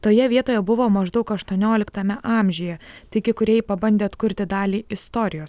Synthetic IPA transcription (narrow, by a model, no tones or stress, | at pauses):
t̪oːjɛʋʲiɛt̪oːjɛbʊʋoːmɐʒd̪ɒʊkɐʃt̪uɔnʲoːlʲɪkt̪ɐmʲɛʔɑːmʲʒʲʊjɛt̪ɐɪkʲɪkʊɾʲɛjpɐbɐnʲd̪ʲeːɐt̪kʊɾʲt̪ʲɪd̪ɑːlʲiːɪst̪ɔɾʲɪjoːs